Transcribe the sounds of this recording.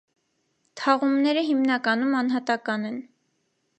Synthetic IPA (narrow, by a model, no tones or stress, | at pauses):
t̪ʰɑʁumnɛɾəɦimnɑkɑnumɑnɦɑt̪ɑkɑnɛn